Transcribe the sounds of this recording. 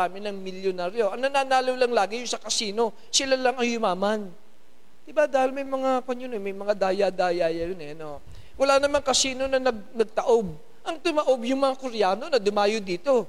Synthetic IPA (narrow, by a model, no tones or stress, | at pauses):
aːmɪnɐŋmɪljonaːɾjo̞ʔɐŋnɐnaːnaːlowlɐŋlaːɡɪjʊŋsɐkɐsiːno̞ | sɪlalɐŋɐŋjʊmaːman | d̪̥ɪbad̪aːhɪlmɐjmɐŋakwɐɲʊnomɐjmɐŋad̪aːjad̪aːjaːjɐjonɛʔɐno | wɐlaːnɐmaŋkɐsiːno̞nɐnɐɡ̚nɐɡ̚t̪ɐʔo̞b̚ | ʔɐŋt̪ʊmɐʔo̞bjʊŋmɐŋakʊɾɪjaːno̞nɐd̪ʊmaːjod̪iːt̪o̞